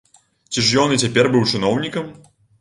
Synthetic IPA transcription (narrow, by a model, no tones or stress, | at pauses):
t͡sʲiʐjɔnɨt͡sʲapʲɛrbɨwt͡ʂɨnɔwnʲikɐm